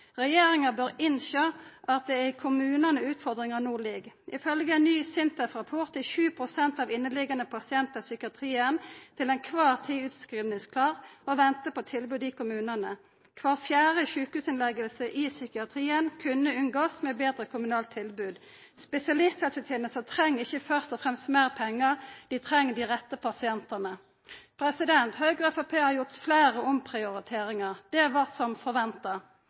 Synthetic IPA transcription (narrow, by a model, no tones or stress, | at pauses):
ʁɛjeːʁɪŋəbøːʁɪnʃoːʔɑt̪̚d̪ɛæɪkʰʊmʉːnənəʉːt̪fɔʁd̪ʁɪŋɑnuːliːɡʔɪfœlɡəɛnnːyːsɪnt̪əfʁɑpʰʊʁt̪ɪçʉːpʰʁʊsɛnt̪ɑːʋɪnːəlɪɡɑnəpʰɑsɪɛnt̪əsʏkɪɑt̪ʰʁiːənt̪ʰɪlɛɪnkʰʋɑːʁt̪ʰiːʉt̪skʁiːʋnɪŋskʰlɑːʁoʋɛnt̪əpot̪ʰɪlbʉːd̪ikʊmʉːnənə | kʰʋɑːʁfjæːʁəçʉːkhʉːsɪnlɛɡəlsəʔɪsʏkɪɑt̪ʰʁiːənkʰʉnːəʉŋɡoːsmɛbeːd̪ʁəkʰʊmʉnɑːlt̪ʰːɪlbʉːd̪ | spɛsɪɑlɪst̪hɛlsət̪ʰeːnəlsət̪ʰʁɛŋːɪçəfœʁst̪ɔfʁɛmst̪meːʁpʰɛŋːəʁd̪̥iːt̪ʰʁɛŋːəd̪iːʁɛt̪ːəpʰɑsɪɛnt̪ənə | pʰʁɛsɪd̪ɛnt̪høːɡʁɛfɑpʰeːhɑɾjʊt̪fleːʁəɔmpʰʁɪʊʁɪt̪ʰeːʁɪŋɑʁd̪̥ɛʋɑʁsɔmfɔʁʋɛnt̪ə